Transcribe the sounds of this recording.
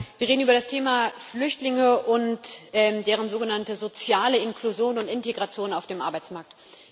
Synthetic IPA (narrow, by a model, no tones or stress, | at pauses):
viːɐʁeːdn̩yːbɐɾastʰeːmaflʏçtlɪŋəʔʊntʔɛːmdeːʁ̞ənzoːɡənantəzot͡sjaːləɪnkluzjoːnʊntɪnteɡʁat͡sjoːnaʊfd̥eːmʔaɐbaɪt͡smaɐk̚t